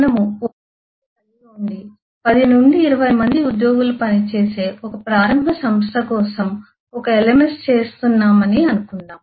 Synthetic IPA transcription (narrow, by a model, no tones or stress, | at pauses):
nɐmuo | ɐniuɳɖi | pɐd̪inuɳɖiːɾɐʋɐjmɐnd̪iud̪jo̞ːɡulupɐnit͡ʃe̞ːse̞ːʔɔkɐpɾaːɾɐmbʱɐsɐmst̪ʰɐkɔːsɐm | ɔkɐelemenst͡ʃe̞ːst̪unːaːmɐniɐnukuɳɖaːm